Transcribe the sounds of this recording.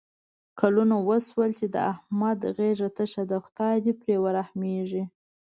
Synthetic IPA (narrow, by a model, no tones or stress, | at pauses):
kalunawəswəlt͡ʃed̪ə̰ahmad̪ɣeʒat̪əʃad̪əxt̪ɑd̪ipɾewəɾahmeʐi